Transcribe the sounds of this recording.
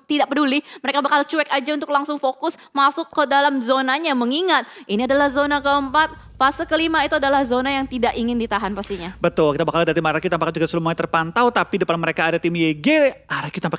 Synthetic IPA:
t̪idaʔpəduliməɾekabakalt͡ʃuɛkad͡ʒaunt̪ʊk̚laŋsʊŋfokʊs | masʊkːədalamzonaɲaməŋiŋat̪̚iniadalahzonakəəmpat̪̚ | fasəkəlimait̪uadalahzonajaŋt̪idaʔiŋɪndit̪aɦanpast̪iɲabət̪ʊlkit̪abakaldat̪imaɾakit̪ampakad͡ʒuɡasəlumuat̪ərpant̪awt̪apidəpanməɾekaːdat̪imjeɡeaɾakit̪ampak

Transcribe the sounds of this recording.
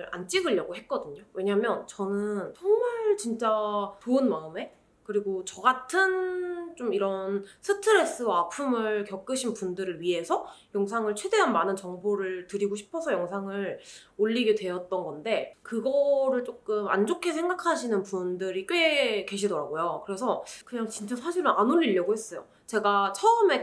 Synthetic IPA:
ɾa̰nt͡ɕ͈iɡɯʎːʌɡoɦe̞t̚k͈ʌdɯɲowe̞ɲaɦamjʌnt͡ɕʌnɯnsʰʌŋʌɭt͡ɕint͡ɕ͈atoɯnmaɯme̞ | kɯɾiɡot͡ɕʌɡatʰɯnt͡ɕ͈omiɾʌnsʰɯtʰɯɾe̞s͈ɯwaːpʰumɯɭkjʌk͈ɯɕʰinpundɯɾɯɭɥiɦe̞sʰʌjʌŋs̬ʰaŋɯɭt͡ɕʰwe̞de̞ɦanmanɯnt͡ɕʌŋboɾɯɭtɯɾiɡoɕʰi̥pʰʌsʰʌjʌŋsʰaŋɯɭoʎːiɡedwe̞ʌt̚t͈ʌnɡʌnde̞kɯɡʌɾɯɭt͡ɕ͈ok͈ɯma̰nd͡ʑokʰesʰe̞ŋɡakʰaɕʰinɯnpundɯɾik͈eke̞ɕʰidʌɾa̰ɡojokɯɾe̞sʰʌkɯɲaŋt͡ɕint͡ɕ͈asʰaɕʰiɾonʔanoʎːiʎːʌɡohe̞s͈ʌjo̰ | t͡ɕe̞ɡat͡ɕʰʌɯme̞

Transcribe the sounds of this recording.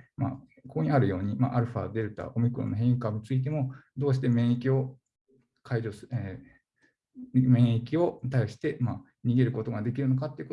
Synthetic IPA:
ma̰ | koɲ̟iaɾɯ̟jo̞ːɲ̟ima̰ʔaɾɯ̟ɸa̰d̪e̞ɾɯ̟t̪a̰ʔo̞mʲikɯ̟ɾõ̰nːoɦẽikamt͡sɨit̪̬e̞mo̞d̪o̞ːɕ̬i̥t̪e̞mẽ̞ɰ̃ikʲio̞ | kʰaid͡ʑose | mẽ̞ɰ̃ikʲio̞t̪aiɕi̥t̪e̞ma | ɲ̟iɡe̞ɾɯ̟ko̞t̪o̞ɡad̪e̞k̬ʲiɾɯ̟no̞kat̪ːeiɯko

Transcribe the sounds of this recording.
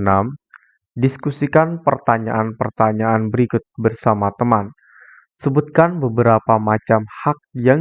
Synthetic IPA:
nam | diskusikanpərt̪aɲa̰ʔanpərt̪aɲaanbəɾikʊt̪̚bərsamat̪əman | səbut̪̚kanbəbəɾapamat͡ʃamhak̚jaŋ

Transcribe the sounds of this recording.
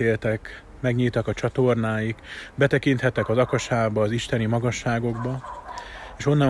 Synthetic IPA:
eːlt̪ɛk | mɛɡɲilt̪ɒkɒt͡ʃɒt̪o̞rnaːjikbɛt̪ɛkint̪hɛt̪ːɛkɒzɒkɒʃaːbɒːziʃt̪ɛnimɒɡɒʃːaːɡo̞ɡbɒ | eːʃo̞nːɒ

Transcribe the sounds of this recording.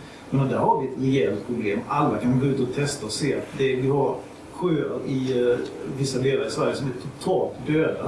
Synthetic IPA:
mɛnad̪æːɾhaɾvɪɛt̪ɾɛɛlt̪̚pʰɾʊbleːmalːakʰanɡaʉ̟ːt̪aɔt̪ʰɛst̪aɔseːa̰t̪d̪ɛvɪhaɾ | ɧøːə̰ɾɪ | vɪsːaleːlaɾɪsvæɾjəsɔmæʈʰʊt̪ʰɑːlt̪d̪øːd̪a̰

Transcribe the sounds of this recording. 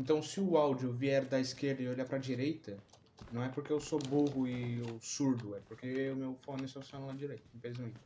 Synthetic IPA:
ẽnt̪ɐ̃w̃sɪʊawd͡ʒʊviɛɾd̪ɐiskeɾd̪ɐɪoʎaɾpɾɐd͡ʒiɾejt̪ɐ | nɐ̃w̃ɛpoɾkeeʊwsoboɦʊɪʊsuɾd̪ʊɛpoɾkeʊmewfonɪsaseɔ̃ñlad͡ʒiɾejt̪ɐĩfelizmẽt͡ʃɪ̥

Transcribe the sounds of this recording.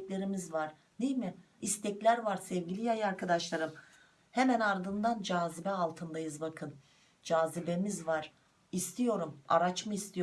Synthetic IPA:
lʲe̞ɾimizvaɾ̥ | nejmɪ | ist̪ʰɛclʲæɾvaɾsɛvɟilʲijajɯaɾkʰad̪aʃlˠaɾɯm | hemænaɾd̪ɯnd̪and͡ʒaːzibɛalˠt̪ʰɯnd̪ajɯzbakʰɯn | d͡ʒaːzibe̞mizvaɾ̥ | ist̪ʰijo̞ɾuma̰ɾat͡ʃmɯist̪ʰijo

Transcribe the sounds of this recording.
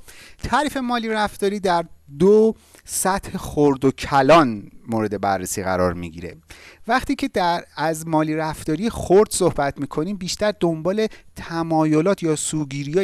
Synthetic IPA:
t̪ʰɒːɾiːfe̞mɒːliːɾæft̪ɒːɾiːd̪æɾd̪o | sæt̪he̞xoɾd̪ocʰælɒːnmoːɾe̞d̪e̞bæ̰rːesiːɣæ̰ɾɒ̰ːɾmḭɟḭɾe̞̰væχt̪ʰiːcʰe̞d̪æɾæzmɒːliːɾæft̪ɒːɾijexoɾd̪̥so̞hbæt̪ʰmiːkʰo̞niːmbiːʃt̪æɾd̪ombɒːle̞t̪ʰæmɒːjo̞lɒːt̪ʰjɒːsuːɡiːɾijɒː

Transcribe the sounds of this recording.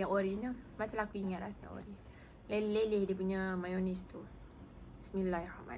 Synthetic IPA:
aoɾiɲəmat͡ʃalakuiŋat̪̚lasja̰ʔo̰ɾi | lelelehdipuɲəmajonist̪u | ismilːahrama̰

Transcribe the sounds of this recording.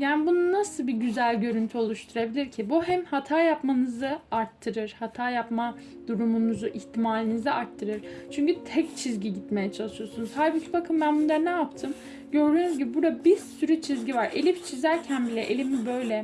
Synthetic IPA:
jaːnibununasɯlˠbiɟyzælʲɟø̞ɾynt̪ʰyo̞lˠuʃt̪ʰuɾabilʲiɾcʰibuɦɛmhat̪ʰaːjapmanɯzɯaɾt̪ʰːɯɾɯɾ̥hat̪ʰaːjapmad̪̥uɾumunuzuʔiçt̪ʰimaːlʲinizɛʔaɾt̪ʰːɯɾɯɾ̥t͡ʃʰyɲcyt̪ʰɛct͡ʃʰizɟiɟit̪mejɛt͡ʃʰalˠɯʃɯjo̞sunuzhajbicʰibakʰɯmbænbund̪ˠaɾnɛap̚t̪ʰɯm | ɟø̞ɾd̪yːnyzɟibibuɾd̪abiɾsyɾyt͡ʃʰizɟivaɾelʲift͡ʃʰizæɾcʰænbilʲɛʔelʲimibø̞jlʲɛ

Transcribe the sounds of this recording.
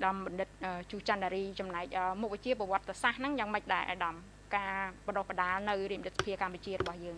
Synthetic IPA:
ɗɑmɓɑnɗɨt̪̚ʔəːt͡ɕuːht͡ɕanɗaɾiːt͡ɕɑmnaɛk̚ʔəːmuk̚ʋɨt͡ɕiəpːɑʋŏət̪ːesahnɨŋjaːŋməc̚ɗaɛlʔa̰ːɗɑm | kaːɓɑɗoːhɓəɗaːlnɨwrɾiəmət̪ət̪sḁpʰiəkamput͡ɕiərɔɓɑhjəːŋ

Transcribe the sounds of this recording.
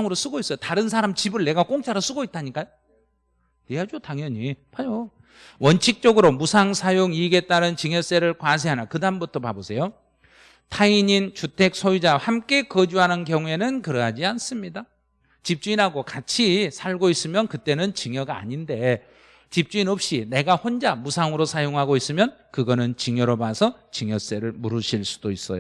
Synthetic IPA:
ŋɯɾos͈uɡois͈ʌjotaɾɯns̬ʰaɾamt͡ɕibɯɭne̞ɡak͈oŋt͡ɕʰaɾɯs͈uɡoit͈̚ʰaɲik͈ajo | neɦad͡ʑotaŋjʌɲipad͡ʑo | wʌnt͡ɕʰik̚t͡ɕ͈ʌɡɯɾomusʰaŋsʰajoŋiɡe̞t͈aɾɯnt͡ɕiŋjʌs͈eɾɯɭkwas̬ʰeɦanakɯdambutʰopa̰bosʰe̞jo | tʰaiɲint͡ɕutʰe̞k̚sʰojid͡ʑahamk͈e̞kʌd͡ʑuɦanɯnkjʌŋue̞nɯnkɯɾʌɦad͡ʑians͈ɯmɲida | t͡ɕip̚t͡ɕ͈uinɦaɡokat͡ɕʰisʰaɭɡois͈ɯmjʌnkɯt͈e̞nɯnt͡ɕiŋjʌɡaa̰ɲinde̞ | t͡ɕip̚t͡ɕ͈uinʌp̚ɕ͈ine̞ɡahond͡ʑamusʰaŋɯɾosʰajoŋɦaɡois͈ɯmjʌnkɯɡʌnɯnt͡ɕiŋjʌɾobasʰʌt͡ɕiŋjʌs͈e̞ɾɯɭmuɾuɕʰiɭs͈u̥d̥ois͈ʌ̰jo

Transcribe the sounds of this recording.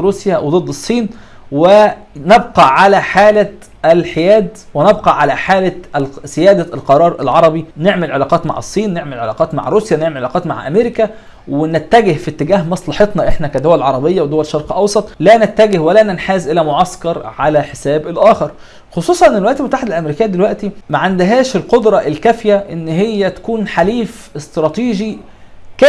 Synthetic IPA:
ɾuːsjæwed̪ˤed̪ˤːɨsˤːiːn | we | nebqɑʕalæħaːlæ | ælħejæːd̪ | wenebqɑʕalæħaːlæzɪjæːd̪ælqɑɾˤɑːɾˤʔæ̰lʕɑɾˤɑbineʕmelʕelɑːqɑːt̪ma̰ʕɑ̰sˤːiːnːeʕmelʕelɑ̰ːqɑːt̪ma̰ʕɾˤuːsjæneʕmelʕelɑːqɑːt̪ma̰ʕʔæ̰meːɾɪkæ | wenet̪ːæɡehfit̪ːeɡæːɦmɑsˤlɑħet̪ˤnɑʔeħnækæd̪owællʕɑɾˤɑbejːɑwed̪owæleʃːɑɾˤqlʔɑwsˤɑt̪ˤlænæt̪ːæɡehwælænenħaːzʔelæmoʕɑskɑɾˤʕalæħesæːbelʔæːxeɾˤ | xosˤuːsˤɑnʔnnelwæʔt̪ilmot̪aːħed̪ælʔæmeɾiːkejːæd̪elwæʔt̪imæʕand̪ɦæːʃelqod̪ɾˤɑʔelkæfjæʔenːɦejːæt̪æ̥kuːnħaliːf | est̪ɾˤɑːt̪iːʒi | kæ

